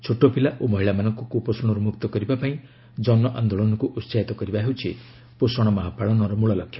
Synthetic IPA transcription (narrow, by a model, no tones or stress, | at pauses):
t͡ʃʰoʈːopilaʔomɔɦiɭamanɔŋkɔkuposɔɽ̃ɔɾumukt̪ɔkɔɾibapaĩ | d͡ʒɔnɔʔand̪oɭɔnɔkuʔut͡ʃajt̪ɔkɔɾibaɦewt͡ʃʰḭ | posɔɽ̃ɔmɔɦapaɭɔnɔɾɔmuɭɔlɔkʰːjɔ